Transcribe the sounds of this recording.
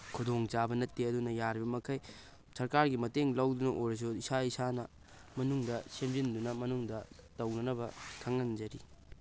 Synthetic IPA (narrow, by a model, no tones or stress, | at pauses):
kʰudoŋt͡ʃabɐnɐtːiɐdunɐjaɾibɐmɐkʰɐj | sɐɾkaɾɡimɐteŋlɐwdunɐʔoɾɐs̬oisaisanɐ | mɐnuŋdɐsemzindunɐmɐnuŋdɐtɐwnɐnɐbɐkʰɐŋɐnd͡ʒɐɾi